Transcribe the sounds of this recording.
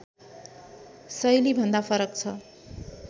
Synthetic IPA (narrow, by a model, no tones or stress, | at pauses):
sʌjlibʱʌnd̪apʰʌɾʌkt͡sʰʌ